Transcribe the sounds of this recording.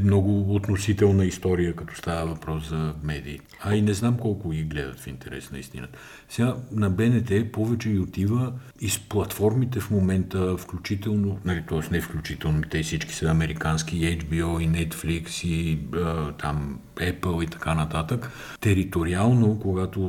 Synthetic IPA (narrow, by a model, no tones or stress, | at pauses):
mnɔɡʊot̪nosit̪ɛlˠnəist̪ɔɾijəkɐt̪ɔ̥st̪avəvɐpɾɔszɐmɛd̪iːt̪ɛainɛznamkɔlˠkʊɡiɡlɛd̪ə̰t̪fint̪ɛɾɛ̰snɐist̪ḭnə̰ | sɛɡanɐbɛnɛt̪ɛpɔvɛt͡ʃɛɡʲiot̪ivə | isplˠɐt̪fɔɾmit̪ɛfmomɛnt̪əfklʲut͡ʃit̪ɛlˠnonɐlit̪ɔɛsnɛfklʲut͡ʃit̪ɛlˠnoit̪ɛsit͡ʃki̥səɐmɛɾikansk̟iɛd͡ʒbiɔinɛt̪fliksiət̪ʰam | ɛpəlˠit̪ɐ̥kanɐt̪at̪ək | t̪ɛɾit̪oɾialˠnokoɡat̪o